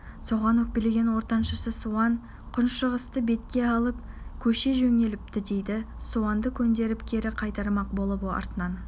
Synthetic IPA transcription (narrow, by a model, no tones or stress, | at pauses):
so̞ʁɑnwɵk̚peleɡʲe̞nwo̞ɾt̪ɑnʃəsəsuɑn | qʰʊnʃəʁəst̪əbe̞t̪kʲe̞ɑlˠəp̚kʲʰɵʃe̞ʒɵŋe̞lɪp̚t̪ɪd̪e̞jd̪ɪ | suɑnd̪əkʲʰɵnd̪e̞ɾɪpkʲʰe̞ɾɪqʰɑjt̪ɑɾmɑq̚bo̞lˠəpɑ̰ɾt̪ənɑn